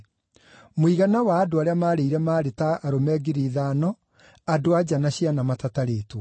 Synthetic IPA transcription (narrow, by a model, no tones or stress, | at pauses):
moiɣanawaːdoaɾeamaːɾeiɾɛmaːɾetaʔaɾomɛːɡeɾiːðaːnɔ | adoad͡ʑanaɕianamatataɾeːtwɔ